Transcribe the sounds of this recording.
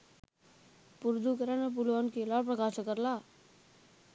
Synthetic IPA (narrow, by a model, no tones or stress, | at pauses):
puɾd̪ukəɾanep̬ulʋankelapɾəkaːʃəkːəɾla